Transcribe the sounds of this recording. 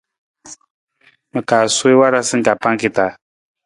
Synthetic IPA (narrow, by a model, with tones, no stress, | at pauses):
mə˨kaː˨swe˦wa˦ɾa˦sɨ˦ka˨pa˦ŋ˦ki˨ta˨